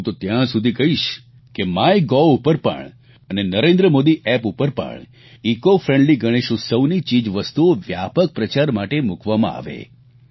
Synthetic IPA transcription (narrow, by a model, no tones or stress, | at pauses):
t̪ot̪jãsud̪ʱikəɦiʃ | kemajɡɔupəɾpə̰ɳ | ənenəɾẽnd̪ɾəmod̪iʔɛpupəɾpə̰ɳ | ikofɾẽɳɖliɡəɽ̃eʃũsəʋnit͡ʃid͡ʒʋəst̪uoʋja̰pək̚pɾət͡ʃaɾmaʈemukʋamã̰a̰ʋḛ